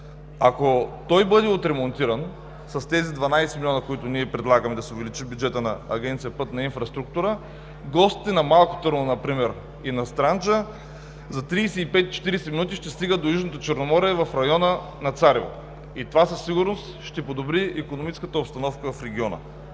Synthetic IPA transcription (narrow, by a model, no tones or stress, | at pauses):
akot̪ɔjbɤd̪ɛot̪ɾɛmont̪iɾən | sɐst̪ɛzid̪vɐnajsɛmilʲiɔnəkoit̪ʊniɛpɾɛd̪lˠaɡəmɛd̪ɐsɛʊvɛlit͡ʃibjud͡ʒɛt̪ənɐːɡʲɛnt̪sijɐpɤt̪nɐinfɾɐst̪ɾuk̚t̪uɾə | ɡɔst̪i̥t̪ɛnɐmalˠko̥t̪ɤɾnonɐpɾimɛɾ | inɐst̪ɾant͡ʃə | zɐt̪ɾiːsɛipɛt̪t͡ʃɛ̥t̪iɾɛsɛminut̪iʃt̪ɛst̪iɡəd̪ojuʒnot̪ot͡ʃɛɾnomɔɾiɛvɐfɾɐjɔnə | nɐt̪saɾivo̰ | it̪ovasɐsːiɡʊɾnost̪ʃt̪ɛpod̪obɾiɛkonomit͡ʃskət̪əopst̪ɐnɔfkəvɐfɾɛɡʲiɔnə̰